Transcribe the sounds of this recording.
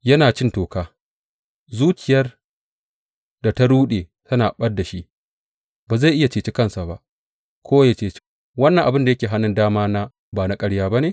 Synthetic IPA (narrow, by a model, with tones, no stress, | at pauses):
jɐ˦naː˨t͡ʃɪ˦ntoː˨kaː˦ | zuː˦kʲɪ˨jɐ˦r | da˨ta˦ɽuː˦ɗeː˨tɐ˦naː˨ɓɐ˦dːa˨ʃi˦ʔ | baː˨za˦˨jʔɪ˦ja˨t͡ʃeː˨t͡ʃi˦kɐ˦nsa˨ba̰˦ʔ | kʷʰoː˦wa˦ja˦t͡ʃeː˦˨t͡ʃ | wɐ˦nːɐ˨ŋʔa˨bɪ˦nda˨jɐ˦kʲeː˨ɦa˦nːɪ˦ndaː˦maː˦naː˦ | baː˨na˦kʼɐ˦ɽjaː˦ba˦neː˨